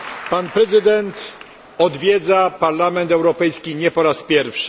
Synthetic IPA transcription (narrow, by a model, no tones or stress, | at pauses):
panpɾɛzɘd̪ɛnt̪ | ɔd̪vʲjɛd̪zapaɾlamɛnt̪ɛwɾɔpɛjskʲiɲɛpɔɾaspʲjɛɾfʂɘ̥